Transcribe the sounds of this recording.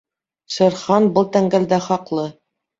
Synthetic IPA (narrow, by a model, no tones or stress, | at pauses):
ʃɤ̆ɾχɑnbɤlˠt̪æŋɡæld̪æχɑqlˠɤ